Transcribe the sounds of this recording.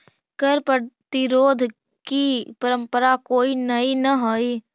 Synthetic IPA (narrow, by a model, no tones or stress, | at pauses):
kəɾpəɽt̪iɾoːd̪ʱ | kipəɾə̃mpəɾakoːinɐinɐɦoːi